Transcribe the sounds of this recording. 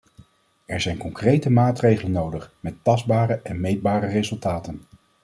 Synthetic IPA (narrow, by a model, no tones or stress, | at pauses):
ɛɹzɛjnkɔŋkrejtəmaːtrejχələnːowdəχmɛtːɑzdbaːrəʔɛnmejd̚baːɾərezɵlˠtaːtən